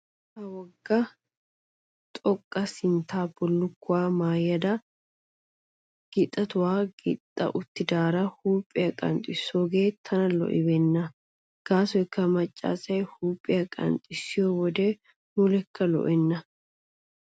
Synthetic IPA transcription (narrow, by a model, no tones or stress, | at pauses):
hɐwɔɡːɐ | t̪ʼɔkʼːɐsɪnt̪ʰaːbɔlːʊkːʊwaːmaːjːɐd̪ɐ | ɡ̥ɪt̪ʼːɐt̪ʊwaːɡɪt̪ʼːɐ̰ʔʊt̪ːɪd̪aːɾɐhuːpʼːɪjɐkʼɐ̰nt̪ʼɪsːoːɡeːt̪ʰːɐnɐlɔ̰ʔɪbɛnːɐ | ɡ̥aːsɔɪkːɐmɐt͡ʃʼːa̰ːsɐjhuːpʼːɪjɐkʼɐ̰nt̪ʼɪsːɪjowɔd̪e | mʊlɛkʰːɐlɔ̰ʔɛnːɐ